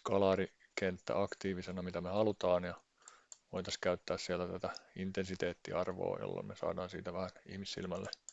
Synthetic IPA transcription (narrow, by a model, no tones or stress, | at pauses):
kɑlɑːri | kent̪ːæ̰ʔɑkt̪iːʋisenɑmit̪æmehɑlut̪ɑːnjɑ | ʋoit̪ɑskæyt̪ːæːssielt̪æt̪æt̪æint̪ensit̪eːt̪ːiɑrʋo̰ːjo̰lːo̰mmesɑ̰ːdɑːnsḭːt̪æʋæhænḭhmisːḭlmælːe